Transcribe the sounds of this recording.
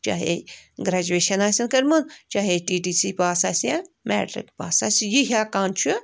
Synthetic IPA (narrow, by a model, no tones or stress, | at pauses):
t͡ʃa̰ːɦḛɡɾaːd͡ʒueːʃɐnaːsʲɐnkɐɾmunt͡ʃaːɦeʈiːʈiːsipaːsaːsãmɛ̰ːʈɾḭkpaːsasʲjiɦʲaːkãːnt͡ʃʰu